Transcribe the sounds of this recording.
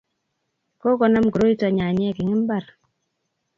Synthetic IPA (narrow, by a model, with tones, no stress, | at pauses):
ko˦ɡɔ˦na˦mɡɾo˦i˦tɔ˨ɲa˨ɲɛ˦˨ɡi˨ŋɪ˦m˦ba˦˨ɾ